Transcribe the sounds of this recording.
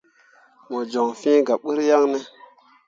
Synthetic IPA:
mo˨d͡ʒo˨ŋfĩ˦ɡa˨ɓə˦ɾja˦ŋne˦

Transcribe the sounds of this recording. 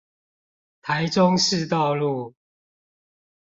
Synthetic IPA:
t̪ʰa˨˦ɪʈ͡ʂʊ˦ŋʂɻ̩˥˨t̪ɑ˥˨ʊlu˥˨

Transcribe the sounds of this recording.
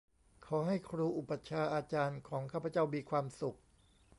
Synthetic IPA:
kʰɔː˩˦ɦa˥˩jkʰɾuː˧ʔu˨˩pa˨˩t͡ɕʰaː˧ʔaː˧t͡ɕaː˧nkʰɔː˩˦ŋkʰaː˥˩pʰa˧t͡ɕa˥˩wmiː˧kʰwaː˧msu˨˩k̚

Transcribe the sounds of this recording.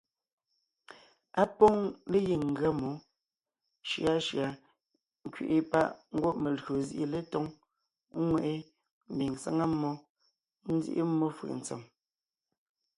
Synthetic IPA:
a˦pɔ˦ŋle˦ji˨ŋ̩˨ɡɰa˦mo˨˦ | ʃja˨˦ʃja˨ | ŋ̩˦kɥḭ˨ʔi˦pa˦ʔŋ̩˦ɡwo˦ʔme˨lɣo˨zḭ˦ʔi˦le˦tɔ˦ŋ˦ | ŋwɛ˦˨ʔe˦ | m̩˨bi˨ŋsa˦ŋa˦mːɔ˦ | n̩˦d͡zḭ˦ʔḭ˦mːɔ˦fɯ̰˨ʔn̩˨t͡sḛ˨m

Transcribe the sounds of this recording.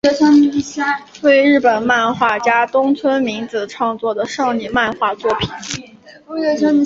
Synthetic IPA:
ɛ˥t͡sʰa˥i˧˥˩ɕa˥t̪we˥˧ɪɻɻ̩˥˩pə˨˩nma˥˧nxwa˥˩t͡ɕja˥t̪ʊ˥ŋt͡sʰwə˥nmi˧˥ŋt͡sɹ̩˧˩ʈ͡ʂʰɑ˥˧ŋt͡swɔ˥˩d̪ə˩ʂɑ˥˧ŋni˥˧ma˥˧nxwa˥˧t͡swɔ˥˩pʰi˨˩˦n˥ | ɛ˧a˥˧

